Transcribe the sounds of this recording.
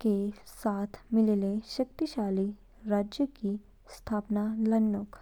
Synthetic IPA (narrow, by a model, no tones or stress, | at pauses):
kesaːt̪ʰmɪlleʃɐk̚t̪iʃaːli | ɾaːd͡ʒjəki | st̪ʰaːpnalɐnːʊk